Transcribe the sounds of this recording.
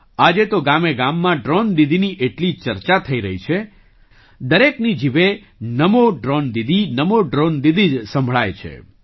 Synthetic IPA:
ad͡ʒet̪oɡameɡamːãɖɾond̪id̪ʱiniʔeʈlit͡ʃəɾt͡ʃat̪ʰəiɾəɦit͡ʃʰe | d̪əɾeknid͡ʒiʋe | nəmoɖɾond̪id̪ʱinəmoɖɾond̪id̪id͡ʒsə̃mbʱɭajt͡ʃʰḛ

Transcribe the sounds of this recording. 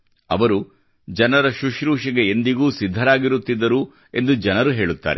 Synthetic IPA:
ɐ̰ʋɐɾu | d͡ʒɐnɐɾɐʃuʃɾuːʃɐɡeend̪iɡuːsid̪ʱːɐɾaːɡiɾut̪ːid̪ːɐɾu | e̞̰nd̪ud͡ʒɐnɐɾuɦe̞ːɭut̪ːa̰ːɾe

